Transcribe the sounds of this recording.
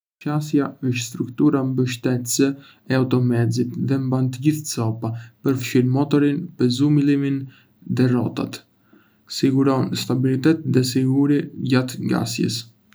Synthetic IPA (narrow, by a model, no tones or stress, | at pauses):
t͡ʃasjaəʃt̪st̪ɾukt̪uɾambəʃt̪ɛt̪sə | ɛawt̪ɔmɛzit̪ðɛmbant̪əɟiθt͡sɔpapəɾfʃiɾmɔt̪ɔɾinpəzumilimin | ðɛrɔt̪a̰t̪ | siɡuɾɔnst̪abilit̪ɛt̪̚ðɛsiɡuɾiɟat̪ɡa̰sjə̰s